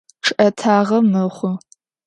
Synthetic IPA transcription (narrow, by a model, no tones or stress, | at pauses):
ʈ͡ʂʰʔɐtʰaːʁɐmɨχʷʊ